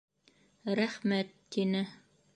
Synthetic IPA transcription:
ɾæχmæt̪ːinɘ

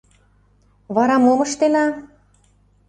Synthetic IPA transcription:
βɑɾɑmomɤ̆ʃt̪enɑ

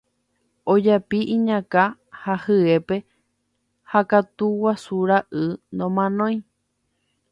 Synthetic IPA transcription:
od͡ʒapiʔĩɲãka | hahɨe̞pe̞ | hakat̪uwasuɾaʔɨnd̪õmãnõj̃

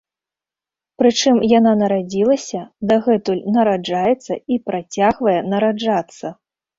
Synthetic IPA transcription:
pɾɨt͡ʂɨmjananɐɾad͡zʲilˠɐsʲɐd̪aɣɛt̪ulʲnɐɾad͡ʐajɛt̪sːɐ̰ipɾat͡sʲaɣvɐjɛnɐɾad͡ʐat̪sːɐ

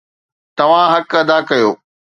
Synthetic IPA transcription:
t̪ɐʋ̤ãɦɐkɐd̪akɐjoː

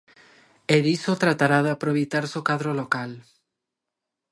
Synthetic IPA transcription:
eðisot̪ɾat̪aɾaðapɾoβejt̪aɾsokaðɾolokal

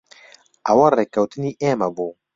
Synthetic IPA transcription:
awɐɾekawt̪iniʔɛːmabo

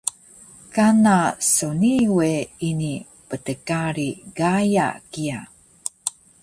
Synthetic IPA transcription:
kanasoniweini | pətəkaɾiɡaja̰kia

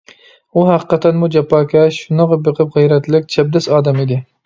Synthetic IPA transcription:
uɦæqəqʰɑt̪ʰːɛnmud͡ʒɛpːɑːkʲʰɛʃunɨʁɑbɨqʰɨp̚ʁɨjɾɛt̪lɪk̚ʲt͡ʃʰɛb̚d̪ɛsɑːd̪ɛmid̪ɪ

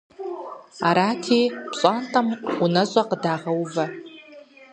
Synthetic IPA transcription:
aɾakʰipʰɕʷʼantʼamunaɕʷʼaqʼdaʁawva

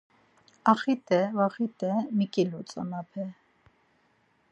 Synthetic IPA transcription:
ɑχit̪ʼɛvaχit̪ʼɛmikʼilut͡sʼɔ̰nɑpʰɛ

